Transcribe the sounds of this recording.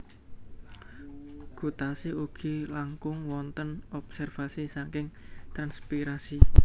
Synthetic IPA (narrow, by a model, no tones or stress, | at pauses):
ɡ̥ṳt̪asiuɡ̥i̤laŋkʊŋwɔnt̪ənɔb̥sɛrfasisaŋkɪŋt̪ɾanspiɾasi